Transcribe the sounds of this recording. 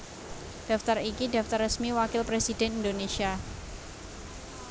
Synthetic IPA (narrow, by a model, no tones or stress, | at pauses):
d̥aft̪arikida̤ft̪arːəsmiwakɪlpɾesidɛnindonesia